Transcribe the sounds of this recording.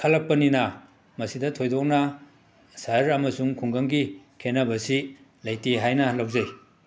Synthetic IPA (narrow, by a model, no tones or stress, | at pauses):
kʰɐlɐk̚pɐninɐ | mɐsidɐtʰojdok̚nɐ | sɐɾɐmɐsuŋkʰuŋɡɐŋɡikʰenɐbɐsi | lɐjtiɦajnɐlɐwzɐj